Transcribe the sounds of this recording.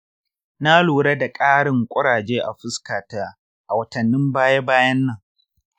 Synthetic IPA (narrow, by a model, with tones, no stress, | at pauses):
na˦luː˨ɽe˦da˨kʼaː˦ɽɪ˨ŋkʷʼʊ˦ɽaː˨d͡ʒeː˦ʔa˨ɸɪ˦skaː˨taː˦ | ʔa˨wɐ˨tɐ˨nːɪ˦mbaː˦je˦baː˦jɐ˦nːɐ˦˨ŋ